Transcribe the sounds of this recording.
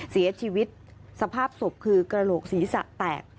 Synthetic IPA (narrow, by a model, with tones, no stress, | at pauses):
si˨˩˦ɐt͡ɕʰiː˧wi˦˥t̪̚sa˧pʰaː˥˩p̚so˨˩p̚kʰɯː˧kɾa˧loː˨˩k̚siː˩˦sa̰˨˩ʔt̪ɛː˨˩k̚